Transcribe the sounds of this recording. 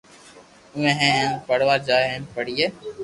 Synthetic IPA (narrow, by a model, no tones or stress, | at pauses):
ʊ̃ẽːɦẽːpəɽʋaːd͡ʒaːeɦẽpəɽiːeː